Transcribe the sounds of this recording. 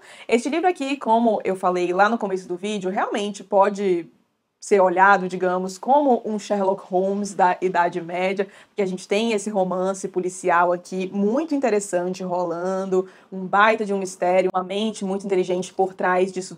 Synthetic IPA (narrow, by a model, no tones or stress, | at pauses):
est͡ʃɪlivɾʊakikõmʊʔewfalejlanʊkõmesʊd̪ʊvid͡ʒʊɦeawmẽnt͡ʃɪpɔd͡ʒɪ | seɾoʎad̪ʊd͡ʒiɡɐ̃mʊskõmʊʔũʃɛɾlɔkhõwmsd̪ɐʔid̪ad͡ʒɪmɛd͡ʒɐpʊɾkʲeaʒẽnt͡ʃɪ̥t̪ẽj̃esɪɦomɐ̃sɪpulisiawakʲʰimũj̃t̪ʊĩnt̪eɾesɐ̃t͡ʃɪɦolɐ̃nd̪ʊ | ũbajt̪ɐd͡ʒɪũmist̪ɛɾjʊũmɐmẽnt͡ʃɪmũj̃t̪ʊĩt̪eliʒẽnt͡ʃɪ̥poɾt̪ɾajzd͡ʒisʊ